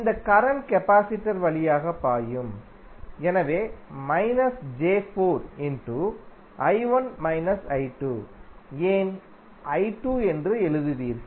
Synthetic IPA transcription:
ɪnd̪ɐkɐɾɐnkɛpaːsɪʈːɐɾʋɐɭɪjaːɣɐpːaːjɯm | ɛnɐʋeːmɐɪnɐsd͡ʒeːfoːɾɪnʈu | ʔɐɪʋɐnmɐɪnɐsɐɪʈːuːeːn | ɐɪʈːuːɛndrɯɛɻɯðɯʋiːɾ

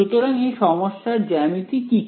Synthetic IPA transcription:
ut̪oɾaŋejʃɔmoʃːaɾd͡ʑɛmit̪iki

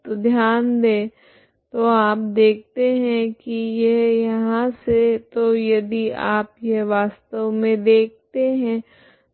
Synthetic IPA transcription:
d̪ʱjaːnd̪eː | t̪oaːpd̪eːk̚ʰt̪eɦɛ̃kijɛɦjɐɦãset̪ojɐd̪iaːpjɛɦʋaːst̪əʋmẽd̪eːk̚t̪eɦɛ̃

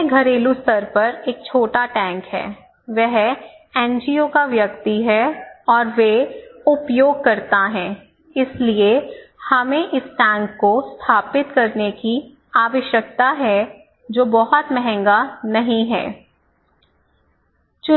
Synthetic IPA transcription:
ɡʱɐɾeːlust̪ɐɾpɐɾeːk̚t͡ʃʰoːʈaʈɛ̃ːŋkɦɛ̰ː | ʋɛɦ | ɛ̃ːnd͡ʒiokaʋjɐk̚t̪iɦɛɔːɾʋeʊpjoːɡ̚kɐɾt̪aɦɛ̃ː | ɪsliehɐmẽʔɪsʈɛ̃ːŋkːost̪ʰaːpɪt̪kɐɾneki | aːʋəʃjək̚t̪aɦɛ | d͡ʒoːbɐɦʊt̪mɛɦɛ̃ŋɡanɐɦĩɦɛ̰ː | t͡ʃʊ

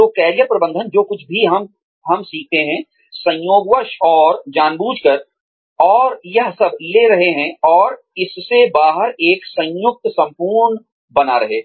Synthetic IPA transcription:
oːkɛːɾijəpɾɐbə̃nd̪ʱənd͡ʒoːkʊt͡ʃʰbʱiɦɐm | ɦɐmsiːk̚ʰt̪eɦɛ̃ | sɐ̃j̃joːɡʋəʃɔːɾd͡ʒaːnbuːd͡ʒkəɾ | ɔːɾjɐɦsɐbʱleːɾɐɦeɦɛ̃ɔːɾ | ɪssebaːɦəɾeːksɐ̃jʊk̚t̪sɐ̃mpuːɾnə | bɐnaɾɐɦeː

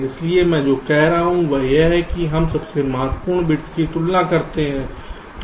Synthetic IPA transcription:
ɪsliemɛ̃ːd͡ʒoːkɛːɾaːɦũʋojeɦɛkiɦɐmsɐbsemaɦt̪pʊɾɳbɪʈskit̪ʊlnakɐɾt̪eɦɛ̃ː | t̪

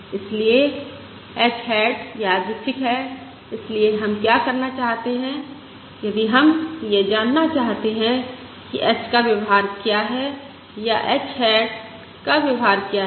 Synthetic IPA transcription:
ɪslie | ɛt͡ʃɦɛːʈjaːd̪iʈʰɪkɦɛ | ɪslieɦɐmkjakɐɾnat͡ʃaːɦt̪eɦɛ̃ | jɐd̪iɦɐmjed͡ʒaːnːat͡ʃaːɦt̪eɦɛ̃ | kiʔɛt͡ʃkaʋjeʋɦaːɾkjaɦɛ | jaʔɛt͡ʃɦɛːʈ | kaʋjɪʊɦaːɾkjaɦ

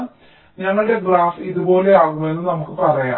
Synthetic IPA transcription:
ɲaŋːɭuɽe̞ɡɭaːfiðubo̞ːle̞aːɣumɐe̞nːɨnɐmukːɨpɐrɐja̰ː

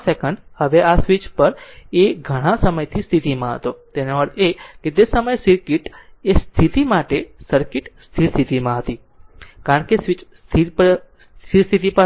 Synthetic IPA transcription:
sekəɳɖhəʋeʔasʋit͡ʃpəɾeɡʱəɽ̃ãsəməjt̪ʰist̪ʰit̪imãɦə̰t̪ot̪enoʋəɾt̪ʰeket̪esəməjsiɾkiʈest̪ʰit̪imaʈesəɾkiʈst̪ʰiɾst̪ʰit̪imãɦət̪i | kaɾəɳkesʋit͡ʃst̪ʰipəst̪ʰiɾst̪ʰit̪ipə

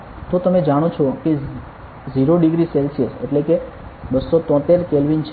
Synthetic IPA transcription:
t̪ot̪əmed͡ʒaɽ̃ot͡ʃʰoke | ziɾoɖiɡɾiselsiəsḛʈleke | bəsːot̪ɔ̃t̪eɾkelʋint͡ʃʰ

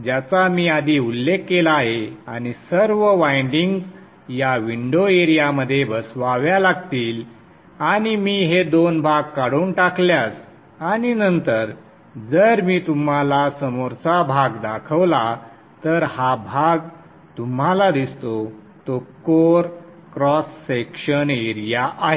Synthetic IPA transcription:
d͡ʑjat͡samiːad̪ʱiːulːekːelaːɦea̰ñisəɾʋəʋajɳɖiŋɡs | jaʋiɳɖoeɾijaməd̪ʱːjebəsʋaʋjalaɡt̪iːl | aɽ̃imiːɦed̪onbʱaɡ̚kaɽ̤uːnʈakʰljas | aɽ̃inənt̪əɾ | d͡zəɾmiːt̪um̤alasəmoɾt͡sabʱaɡd̪akʰəʋla | t̪əɾhabʱaɡ | t̪um̤alad̪ist̪o | t̪okoɾkɾɔsːekɕəneɾijaʔaɦe

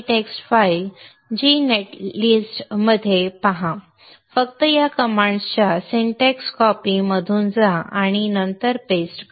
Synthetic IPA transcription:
ʈeksʈfail | d͡ʑineʈlisʈməd̪ʱːjepaɦã | fək̚t̪əjakəmãɳɖst͡ɕasiɳʈeksʈkɔpiməd̪ʱuːnd͡zaaɽ̃inənt̪əɾpesʈ

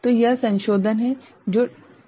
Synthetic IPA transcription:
t̪ojɐɦsɐ̃nʃoːd̪ʱənɦɛ | d͡ʒoː

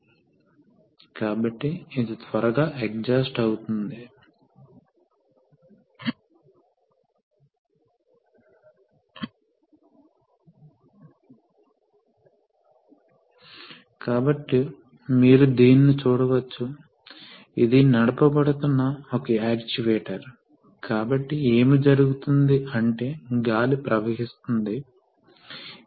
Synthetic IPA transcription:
kaːbɐʈːiːd̪it̪ʰʋɐɾɐɡaːʔek̚d͡ʒɐːsʈɐwut̪und̪i | kaːbɐʈːi | miːɾud̪iːnːit͡ʃuːɽɐʋɐt͡ʃːu | id̪inɐɽɐpɐbɐɽut̪unːɐokɐaːkt͡ʃiʋeːʈɐɾ | kaːbɐʈːie̞ːmid͡ʒɐɾuɡut̪und̪iʔɐɳʈe̞ːɡaːlipɾɐʋɐɦist̪und̪i

